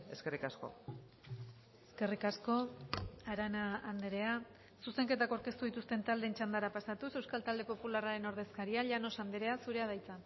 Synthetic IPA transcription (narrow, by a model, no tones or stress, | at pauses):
eskerikasko̞̰ | e̥ske̞rikasko̞aɾanaːnd̪eɾe̞a | suse̞ŋke̞t̪akawɾke̞st̪uðit̪ust̪e̞nt̪ald̪e̞ːnt͡ʃand̪aɾapasat̪use̞wskalt̪ald̪e̞po̞pularaɾe̞no̞ɾðe̞skaɾiaʎano̞sand̪eɾe̞asuɾe̞að̞ajt͡sa